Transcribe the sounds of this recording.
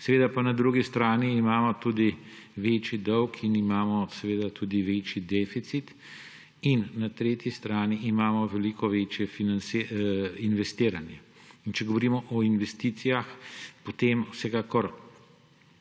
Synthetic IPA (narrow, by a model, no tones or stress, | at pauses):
sɛʋeːd̪apanad̪ɾuɡist̪ɾaːniːmaːmɔt̪uːd̪iʋeːt͡ʃid̪ɔwkʰinimaːmɔsɛʋeːd̪at̪uːd̪iʋeːt͡ʃid̪ɛfit̪sit̪ | inːat̪ɾeːt̪jist̪ɾaːniːmaːmɔʋɛlikɔʋeːt͡ʃjɛfinanseinʋɛst̪eːɾanjɛ | int͡ʃɛɡɔʋɔɾiːmɔʔɔinʋɛst̪iːt̪sijaxpot̪eːmwsɛkaːkɔɾ